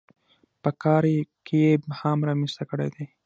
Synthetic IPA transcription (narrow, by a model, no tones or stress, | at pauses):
pəkɑːɾekejebhamɾɑmist̪akəɽḛd̪e